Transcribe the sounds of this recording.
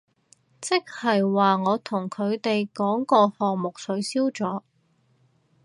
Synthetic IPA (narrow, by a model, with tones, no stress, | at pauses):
t͡sɪ˥k̚hɐ˨jwaː˨ŋɔː˨˧t̪ʰʊ˨˩ŋkʰɵ˨˧ɥt̪e˨jkɔː˨˥ŋkɔː˧hɔː˨ŋmʊ˨k̚sɵ˨˧˥ɥsiː˥wt͡sɔː˨˥